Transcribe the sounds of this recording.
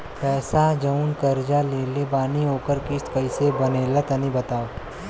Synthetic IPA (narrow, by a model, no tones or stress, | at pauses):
pɛːsad͡ʒɐʊnkɐɾd͡ʒaleːlebaːnioːkəɾkɪst̪kɐisebɐneːlət̪ɐnĩbɐt̪aːo